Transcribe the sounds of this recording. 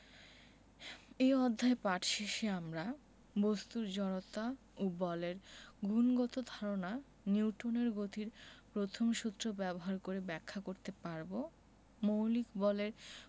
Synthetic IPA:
eɔd̪ʱːaepaʈʃiʃeamɾa | bost̪uɾd͡ʑɔɽot̪a | obɔleɾɡʱunɡɔt̪od̪ʱaɾona | niwʈoneɾɡot̪ʰiɾpɾot̪ʰomʃut̪ːɾobɛboɦaɾkoɾebɛkʰːakoɾt̪epaɾbo | mowlikbɔleɾ

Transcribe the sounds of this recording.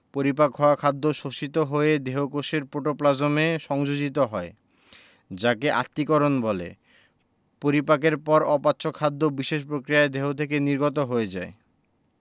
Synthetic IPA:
poɾipakːɔakʰad̪ːoʃoʃit̪oɦoed̪eɦokoʃeɾpoʈoplad͡ʑomeʃɔŋd͡ʑod͡ʑit̪oɦɔe | d͡ʑakeʔa̰t̪ːikɔɾonbɔlḛ | poɾipakeɾpɔɾɔpatːɕʰokʰad̪ːobiʃeʃpɾokɾijaed̪eɦot̪ʰekeniɾɡot̪oɦoed͡ʑae

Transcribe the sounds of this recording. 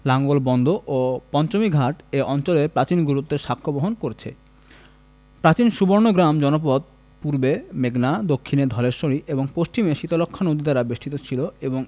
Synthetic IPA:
laŋɡolbɔnd̪ʱoʔopɔnt͡ɕomiɡʱaʈeʔɔnt͡ɕoleɾpɾat͡ɕinɡuɾut̪ːeɾʃakʰːoboɦonkoɾet͡ɕʰḛ | pɾat͡ɕinʃuboɾnoɡɾamd͡ʑɔnop̬ɔd̪̚ | puɾbemeɡnad̪okʰːined̪ʱɔleɾʃoɾiʔeboŋpoʃt͡ɕimeʃit̪olokʰːanod̪it̪aɾabeʃʈʰit̪ot͡ɕʰiloeboŋ

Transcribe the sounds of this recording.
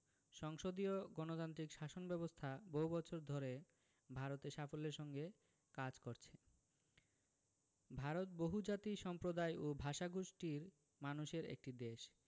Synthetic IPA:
ʃɔŋʃod̪ioɡɔnot̪ant̪ɾikʃaʃonbɛbost̪ʰaboɦubɔt͡ɕʰoɾd̪ʱɔɾe | bʱaɾot̪eʃafoleɾʃɔŋɡe | kad͡ʑkoɾt͡ɕʰe̥ | bʱaɾot̪̚boɦud͡ʑat̪iʃɔmpɾod̪ajʔobʱaʃaɡuʃʈiɾ | manuʃeɾḛk̚ʈid̪eʃ

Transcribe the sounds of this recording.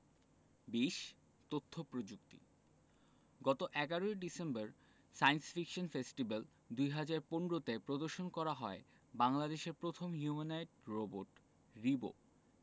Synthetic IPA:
biʃ | t̪ot̪ʰːopɾod͡ʑukt̪ḭ | ɡɔt̪oʔɛɡaɾoeɖisembaɾ | sajnsfikʃonfesʈibal | d̪ujɦad͡ʑaɾponɾot̪epɾod̪oɾʃonkɔɾaɦɔe | baŋlad̪eʃeɾpɾot̪ʰomɦjumanajʈ̚ɾoboʈ | ɾibo̰

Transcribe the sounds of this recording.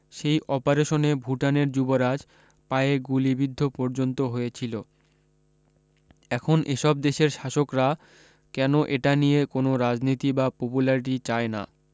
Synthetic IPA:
ʃejʔɔpaɾeʃonebʱuʈaneɾd͡ʑuboɾad͡ʑ | paeɡulibid̪ʱːopɔɾd͡ʑont̪oɦojet͡ɕʰilo | ɛkʰonʔeʃɔb̚d̪eʃeɾʃaʃokɾa | kɛnoʔeʈanijekonoɾad͡ʑnit̪ibapopulaɾiʈit͡ɕaena̰

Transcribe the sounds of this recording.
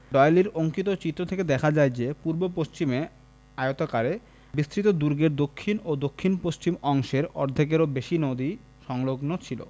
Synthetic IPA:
ɖɔjeliɾoŋkit̪ot͡ɕit̪ːɾot̪ʰeked̪ɛkʰad͡ʑaed͡ʑepuɾbopost͡ɕime | aeot̪akaɾe | bist̪ɾit̪od̪uɾɡeɾd̪okʰːinod̪okʰːinpost͡ɕimɔŋʃeɾɔ̰ɾd̪ʱek̬eɾobeʃinod̪i | ʃɔŋloɡnot͡ɕʰilo̰

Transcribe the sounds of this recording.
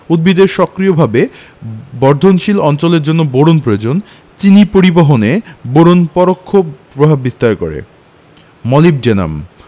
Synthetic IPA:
ud̪̚bid̪eɾʃɔkɾijobʱabe | bɔɾd̪ʱonʃilɔnt͡ɕoleɾd͡ʑonːoboɾonpɾood͡ʑon | t͡ɕinipoɾiboɦoneboɾonpɔɾokʰːopɾobʱabːist̪aɾko̰ɾḛ | mɔlib̚d͡ʑena̰m

